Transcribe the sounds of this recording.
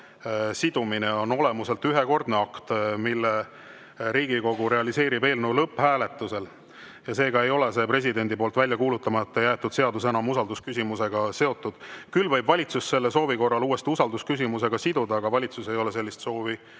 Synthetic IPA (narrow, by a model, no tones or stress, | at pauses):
sid̪̥umineo̞no̞le̞muse̞lt̪ːyɦe̞ko̞rd̪̥neɑkt̪milːe | ɾiːɡ̥iko̞ɡ̥uɾe̞ɑlise̞ːɾibe̞ːlnulɤpːhæːle̞t̪ːˑuse̞l | jɑse̞ːɡɑe̞jo̞le̞se̞pɾe̞sid̪e̞nʲd̪ipo̞ːlt̪vælʲjɑkuːlut̪ːˑɑmɑet̪ːˑejæːt̪ːˑud̪̥se̞ɑd̪us̬enɑmusɑld̪uskysimuse̞ɡ̥ɑse̞o̞t̪ːˑud̪̥kylːvɤjbvɑlʲit̪susːe̞lːeso̞ːviko̞rːɑluːe̞st̪iusɑld̪uskys̬ʲimuse̞ɡ̥ɑsid̪ud̪ɑːɡɑvɑlʲit̪suse̞jo̞le̞s̬e̞lːist̪so̞ːvi